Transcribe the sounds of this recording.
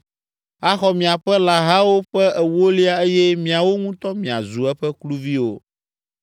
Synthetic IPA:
a˦xɔ˦mĩ˨a˨ɸɛ˦la˨ɦa˦wo˦ɸɛ˦ɛ˨wo˦li˦a˦e˦jɛ˦mĩ˨a˨wo˦ŋũ˦t̪ɔ˦mĩ˨a̰˨zu˨ɛ˦ɸɛ˦klu˦vi˦wo˦

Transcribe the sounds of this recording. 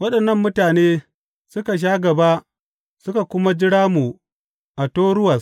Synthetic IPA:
wɐ˦ɗɐ˨nːɐ˦mːʊ˦taː˨neː˦ | sʊ˦ka˨ʃ̬aː˦ɡɐ˨ba˦ | sʊ˦ka˨kʷʊ˦ma˦d͡ʒɪ˦ɽaː˦mu˨ | ʔa˨toː˦ɽʊ˦wɐ˨s

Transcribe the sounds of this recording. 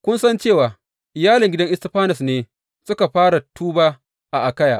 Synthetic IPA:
kʷʊ˦nsɐ˦nt͡ʃeː˦˨waː˨ | ʔɪ˨jaː˦lɪ˨ŋɡʲɪ˦dɐ˦ŋʔɪ˦stɪ˦ɸaː˦nɐ˨sneː˨˦ | sʊ˦ka˨ɸaː˦ɽa˨tuː˦baː˦ | ʔa˨ʔa˨kɐ˦jaː˨ʔ

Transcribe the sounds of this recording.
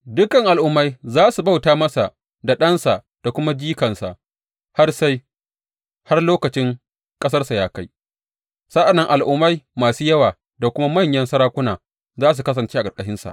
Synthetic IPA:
dʊ˦kɐ˨ŋʔa˨lʔʊ˦mːa˦jzaː˦su˨ba˦wtaː˦mɐ˦sa˨ʔ | da˨ɗɐ˦nsa˨ʔ | d̥a˨kʷʊ˦ma˦d͡ʒiː˦kɐ˨nsa̰˨ʔ | ha˦rsa˦j | ha˦rloː˦kɐ˨t͡ʃɪ˦ŋ | kʼɐ˦s̬ɐ˦rsa˨jaː˦ka˦j | sa˦ʔa˨nːɐ˦ŋʔa˨lʔʊ˦mːa˦jmaː˨suː˦jɐ˦waː˨ | da˨kʷʊ˦ma˦mɐ˦˨ɲjɐ˦nsɐ˦ɾaː˦kʷʊ˦naː˨ | zaː˦s̬u˨kɐ˦s̬ɐ˨nt͡ʃeː˦ʔa˨ɡɐ˨kʼɐ˨ɦɪ˦nsa̰˨ʔ

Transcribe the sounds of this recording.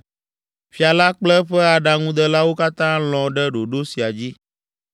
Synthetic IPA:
fi˨a˨la˦k͡plɛ˦ɸɛ˦a˨ɖa˨ŋũ˦d̪ɛ˦la˦wo˦ka˦t̪ã˦l̃ɔ̃˨ɖɛ˦ɖo˨ɖo˦si˨a˨d͡ʑi˦

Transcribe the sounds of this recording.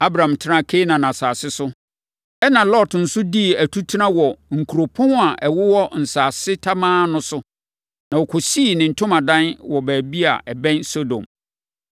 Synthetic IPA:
a˦bɾã˨mtʰɪ˦ɾã˦˨kʰe˦nã˨nã˨saː˨sɪ˦sʊ˦ | ɛ˦nã˨lɔ˦˨tn̩˦sʊ˦di˦˨æ˨tʰu˦tʰi˦nã˦wɔ˨ŋ̩˨kʰu˨ɾo˨pʰʊ̃˦n˦a˨ʔɛ˨wʊ˦wɔ˦n̩˨saː˨sɪ˦tʰa˦mãː˦nʊ̃˦sʊ˦ | nã˨wɔ˨kʰɔ˨si˦˨nɪ̃˨n̩˨tʰʊ̃˦mã˨dã˦nwɔ˨bæː˨bi˦a̰˨ʔɛ˨bɛ̃˦nso˦dõ̰˨m

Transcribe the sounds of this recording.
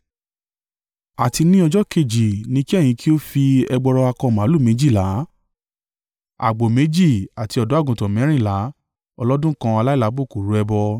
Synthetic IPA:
a˨ti˧nĩ˦ɔ˧d͡ʒɔ˦ke˦˨d͡ʒi˨nĩ˧˦ki˦ɛ˦˨j̃ĩ˧ki˦o˦fi˧ɛ˧ɡ͡bɔ˧ɾɔ˧a˧kɔ̃˧˨mã˨˦lu˦˨mẽ˨˧˦d͡ʒi˦˨la˨˦ | a̰˨ɡ͡bo˨me˨˦d͡ʒi˦˨a˨ti˧ɔ˧dɔ˨˦a˦˨ɡũ˨tɔ̃˨mɛ̃˨˦ɾ̃ĩ˦˨la˨˦ | ɔ˧lɔ˦dũ˦kã˧a˧la˦i˦˨la˨˧˦bo˦˨ku˨ɾu˨˦ɛ˧bɔ˧

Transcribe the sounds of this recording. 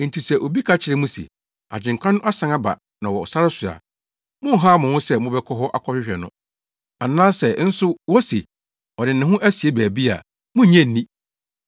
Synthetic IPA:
n̩˨tʰi˨sɛ˨ʔo˨bi˦kʰa˦t͡ɕʰɪ˨ɾɪ˦mũ˦sḭ˨ | a̰˨d͡ʑɪ̃˨ŋ̩˨kʰã˦nʊ̃˦ʔa˦sã˦ŋa˦ba̰˨ | nã˨wɔ˨ɔ˨sa˦ɾɪ˦sʊ˨a̰˨ | mʊ̃˦ɦa˦mʊ̃˨hʊ̃˦sɛ˦mʊ̃˦bɛ˦kʰɔ˦ɦɔ˦ʔa˦kʰɔ˦ɕᶣɪ˦ɕᶣɛ˨nʊ̰̃˦ | a˨nãː˦sɛ˨˦n̩˦sʊ˦wɔ˦sḭ˨ | ɔ˨dɪ˨nɪ̃˨ɦʊ̃˦ʔæ˦si˨e˦bæː˨bi˦a̰˨ | mʊ̃˦ɲɛ̃˦n˨nĩ˦

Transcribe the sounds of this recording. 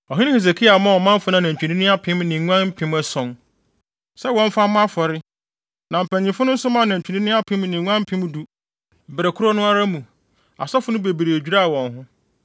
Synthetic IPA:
ɔ˨ɦɪ̃˦ɪ̃˦he˨s̬e˨kʰi˦a˨mã˦˨ɔ˨mã˦m˦fʊ˨nã˦˨nã˨ɲ̩˨t͡ɕᶣu˨nĩ˦nɪ̃˦a˦pʰɪ̃˦mnɪ̃˨˦ŋʷ˦ã˦nm̩˦pʰɪ̃˦mæ˦sɔ̃˨n | sɛ˦wɔ̃˦ɱ˦fa˦mã˦fɔ˨ɾɪ˦ | nã˨m̩˨pʰæ̃˨ɲĩ˨fʊ˦nʊ̃˦n̩˦sʊ˦mã˦˨nã˨ɲ̩˨t͡ɕᶣʰi˨nĩ˦nɪ̃˦a˦pʰɪ̃˦m˦nɪ̃˨˦ŋʷ˦ã˦m̩˦pʰɪ̃˦m˦du˨ | m̩˨bɾɛ˨kʰʊ˦ɾɔ˦nʊ̃˦a˦ɾa˦mũ˨ | a̰˨sɔ˦fʊ˨˦nʊ̃˦be˨bi˨ɾe˨e˨d͡ʑᶣu˦ɾa˦a˨wɔ̃˨nɦʊ̃˦

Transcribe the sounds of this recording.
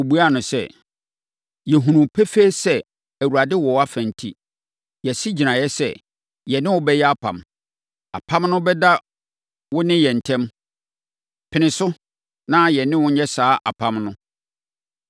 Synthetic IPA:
o˨bu˦a˦˨nʊ̃˨sɛ̰˦˨ | jɛ˨ɦũ˨nũ˨pʰɛ˦fe˦sɛ˦ | æ˨wu˨ɾa˨dɪ˦wɔ˨˦a˦fæ̃˨n̩˨tʰḭ˦ | jɛ˨si˦d͡ʑi˨nã˨jɛ˦sɛ̰˦ | jɛ˨nɪ̃˦wʊ˦bɛ˦jɛ˦a˦pʰã̰˨m | a̰˨pʰã˦mnʊ̃˦bɛ˦da˦ | wʊ˦nɪ̃˦jɛ˨n̩˨tʰɛ̃˦m | pʰɪ˨nɪ̃˨sʊ˦ | nã˦jɛ˨nɪ̃˦wʊ̃˦ɲɛ˦saː˦ʔa̰˨pʰã˦mnʊ̃˦

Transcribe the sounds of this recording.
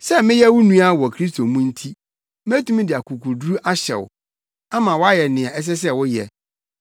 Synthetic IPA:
sɛ˦mɪ̃˦jɛ˦wʊ˦nũ˦a˦wɔ˨kʰɾi˦s̬tʰo˨mũ˦n̩˦tʰi˦ | m˦ɛ˦tũ˦mĩ˦dɪ˨a˨kʰu˨kʰu˨dɾu˦ʔa˦ɕɛ̰˨wʊ̰˨ | ã˦mã˨wɔ˦a˦jɛ˨nɪ̃˨a˨ɛ˦s̬ɛ˦s̬ɛ˦wʊ˦jɛ̰˨

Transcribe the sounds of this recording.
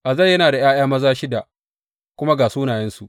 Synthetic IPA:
ʔa˨zɐ˦˨jːɐ˦naː˨da˨j̰aː˦j̰aː˦mɐ˦zaː˦ʃɪ˦da˨ | kʷʊ˦ma˦ɡaː˨suː˦naː˨jɛ˦nsu˨ʔ

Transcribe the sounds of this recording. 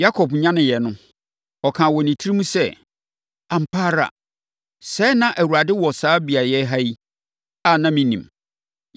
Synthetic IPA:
ja˦kʰɔ˨bɲã˦nɪ̃˨jɛ˨nʊ̃˦ | ɔ˨kʰã˨wɔ˨nĩ˨tʰi˦ɾi˦mũ˦sɛ˦˨ | a˨m̩˨pʰaː˦ɾa̰˨ | sɛ˦nã˦ʔæ˨wu˨ɾa˨dɪ˦wɔ˨saː˦bi˨a˨jɛ˦ɦa˦i˦ | a˦˨nã˦mĩ˦nĩ˨m

